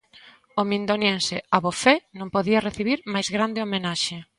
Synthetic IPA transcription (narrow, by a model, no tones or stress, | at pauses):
omĩnd̪onjensɪaβofɛnõmpoðiɐreθiβ̞iɾmajzɣɾand̪eomenaʃe